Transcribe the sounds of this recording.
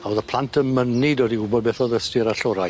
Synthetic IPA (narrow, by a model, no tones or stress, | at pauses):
aoːðəpʰlˠantʰəmənɪdɔdiʊbɔdbɛθɔðəstɪɾaɬɔɾaj